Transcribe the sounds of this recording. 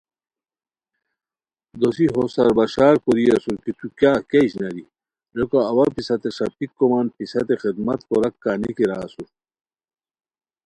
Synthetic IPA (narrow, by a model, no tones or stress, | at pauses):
d̪osiɦosɐɾbɐɕaːɾkoɾiɐsukit̪ukjaːkeiɕnɐɾi | ɾekaɐwɐɾpisɐt̪eʂɐpikːomaːnpisɐt̪exid̪mɐt̪koɾɐkːanikiɾaːsu